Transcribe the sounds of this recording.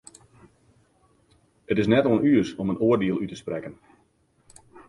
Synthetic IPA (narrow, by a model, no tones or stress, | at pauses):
ətɪs̬nɛtɔlˠənyəsɔmənoərdiəlˠytəsprɛkən